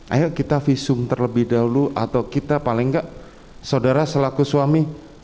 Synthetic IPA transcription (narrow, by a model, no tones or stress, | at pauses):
ʔa̰jaʔkit̪afisʊmt̪ərləbɪhdauluʔat̪awkit̪apalɪŋɡaʔ | saudaɾasəlakusuami